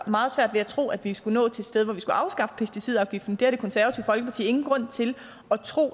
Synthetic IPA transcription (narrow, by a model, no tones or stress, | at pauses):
mɑ̈ːð̩ˠsʋæɐ̰d̥ʋe̝æt͡sʰʁo̝̰ːæd̥ʋisɡ̥unɔ̰ːt͡sʰe̝d̥sd̥eð̞ˠʋɒʋisɡ̥uʔɑ̈ʊsɡ̥ɑ̈fə̥pʰesd̥isið̞̰ˠɑ̈ʊɡ̥ifd̥n̩d̥e̝æɐɾe̝kʰɒ̽nsæɐʋæt͡sʰiʊ̰fɒ̽lɡ̥əpʰɑ̈t͡sʰḭːe̝ŋn̩ɡ̥ʁɔ̽n̰t͡sʰe̝l | ɒ̽t͡sʰʁo̝̰ː